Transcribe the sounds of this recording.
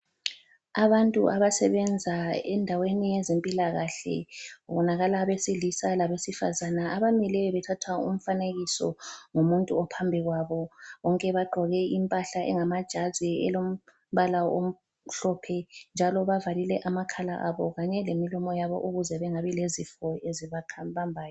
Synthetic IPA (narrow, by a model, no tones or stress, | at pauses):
aβantʼṵʔaβasɛβɛnd͡zʱaɛndʱawenijɛzempʼilaɣaɬɛ̰βɔnaɣalaβesilisalaβesifa̰zanaaβamilɛβɛtʰatʰwaṵm̩faneɣisɔ̰ŋumuntʼuɔpʰambʱiɣwaβɔβɔŋkʼɛβaɡ͡ǃʱɔɣɛimpʼaɬaʔɛ̰ŋamad̥ʒ̥ʱaziɛ̰lom̩ | βalao̰m̩ | ɬɔpʰɛnd͡ʒʱalɔβavalilɛʔamakʰala̰ʔaβɔɣaɲɛlemilɔmɔjaβɔ̰ʔuɣuzɛβɛŋaβilezifɔeziβakʰaβambʱaːjɔ